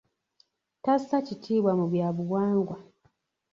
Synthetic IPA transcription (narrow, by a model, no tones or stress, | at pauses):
tasacitʰiːβwamuβjaːβuwaːŋɡwa